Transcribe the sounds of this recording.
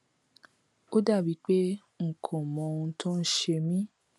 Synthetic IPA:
o˦da˦˨bi˨˦k͡pe˦ | ŋ̩˨kʰɔ̃˨mɔ̃˨ũ˧tʰõ˦n̩˦ʃe˧mĩ˦

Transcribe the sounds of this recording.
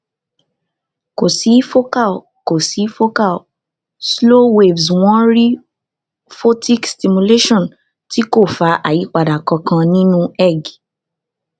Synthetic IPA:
ko˨si˨˦fo˦ka˦˨l | ko˨si˨˦fo˦ka˦˨ | slo˦we˨vsw̃ɔ̃˦ɾi˦ | fo˦tʰi˦ksti˧mu˧le˦ʃɔ̃˦˨n | ti˦ko˦˨fa˧˦ʔa˨ji˨˦k͡pa˨da˨kɔ̃˧kã˧nĩ˦nũ˦ɛ˦˨ɡ

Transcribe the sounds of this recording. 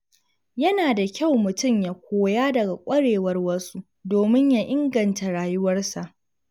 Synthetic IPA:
jɐ˦naː˨da˨kʲa˦˨wmʊ˨tʊ˦mjaː˦kʷʰoː˨jaː˦dɐ˨ɡa˨kʷʼɐ˦ɽeː˨wɐ˦rwɐ˦su˦ | doː˨mɪ˦ɲja˦ʔɪ˦ŋɡɐ˨nta˨ɽaː˨jʊ˦wɐ˦rsa˨ʔ

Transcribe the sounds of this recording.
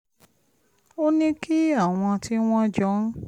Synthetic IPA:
o˦nĩ˦ki˦a˦˨w̃ɔ̃˧ti˦w̃ɔ̃˦d͡ʒɔ˨˦

